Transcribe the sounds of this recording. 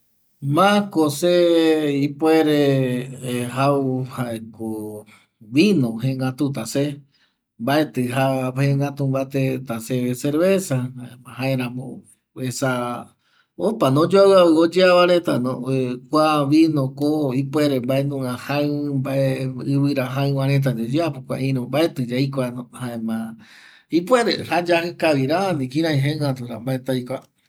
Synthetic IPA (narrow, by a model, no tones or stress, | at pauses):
mãkoseipweɾe | hawuhaeko | βinõhẽŋɡat̪ut̪ase | mbaet̪ɨɦahẽŋɡat̪umbat̪et̪aseeseɾβesaaɦaeɾãmõ̰ | esa | opanõd͡ʒoaβɨaβɨod͡ʒeaβaɾet̪a̰nõ̰ekʷaβinõkoipʷeɾembaenũŋãhãmbaeɨβɨɾaɦãɨ̃wãɾ̃ẽt̪̬ad͡ʒod͡ʒeapokʷa̰ĩɾõmbaet̪ɨd͡ʒaikʷanõhaẽmã | ipweɾehad͡ʒahɨkaβiɾaanĩkĩɾ̃ãĩɦẽãt̪uɾambaet̪ajkʷa